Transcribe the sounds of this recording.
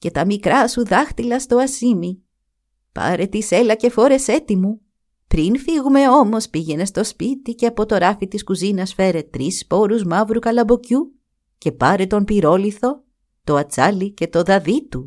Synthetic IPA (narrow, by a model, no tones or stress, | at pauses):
ce̞t̪ɐmikɾɐsuðɐxt̪ilɐst̪o̞ɐsimi | pɐ̰ɾe̞t̪ise̞lɐce̞fo̞ɾe̞se̞t̪imu | pɾinfiɣume̞o̞mo̞spiʝe̞ne̞st̪o̞spit̪iceɐpo̞t̪o̞ɾɐfit̪iskuzinɐsfe̞ɾe̞t̪ɾispo̞ɾuzmɐvɾukɐlɐbo̞cu | ce̞pɐɾe̞t̪o̞mpiɾo̞liθo̞ | t̪o̞ɐt͡sɐlice̞t̪o̞ðɐðit̪u